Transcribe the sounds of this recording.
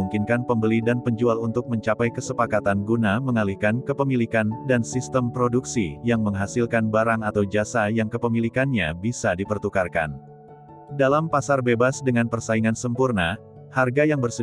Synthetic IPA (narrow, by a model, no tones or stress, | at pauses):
uŋkinkanpəmbəlidanpəɲd͡ʒualunt̪ʊk̚məɲt͡ʃapajkəsəpakat̪anɡunaməŋalihkankəpəmilikandansist̪əmpɾoduksijaŋməŋɦasilkanbaɾaŋat̪awd͡ʒasajaŋkəpəmilikanɲabisadipərt̪ukarka̰n | dalampasarbebasdəŋanpərsaiŋansəmpurna | harɡajaŋbərsə